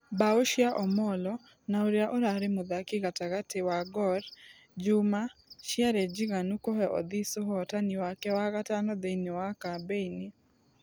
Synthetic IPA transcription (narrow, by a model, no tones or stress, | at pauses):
baoʃjaʔɔmɔlɔ | naoɾjaʔoɾaɾemʊðakɪɣataɣatewaɡɔɾ | d͡ʒumaʃjaɾɛd͡ʒiɣanukoɦɛʔɔ̰ðisoɦɔtaniwakɛwaɣatanɔðeinewakabeini